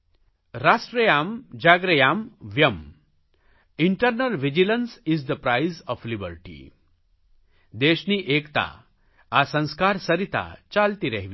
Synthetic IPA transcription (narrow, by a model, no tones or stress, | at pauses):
ɾasʈɾəjamd͡ʑaɡɾəjamʋjəm | iɳʈəɾnəlʋid͡ʑilənsizd̪əpɾajzɔflibəɾʈḭ | d̪eɕniːʔekt̪a̰ | asə̃w̃skaɾsəɾit̪a̰t͡ʃalt̪iɾɛɦʋi